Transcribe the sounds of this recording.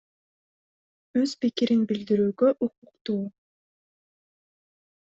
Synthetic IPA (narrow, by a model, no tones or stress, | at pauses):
øz̥pikiɾinbild̪iɾyːɡøʔuquqt̪uː